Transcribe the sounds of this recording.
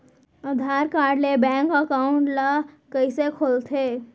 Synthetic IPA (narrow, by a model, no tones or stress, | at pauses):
əd̪ʱaːɾkaːɾɖlebɛ̃ːŋkəkaːʊ̃ɳʈla | kəisekʰolt̪ʰeː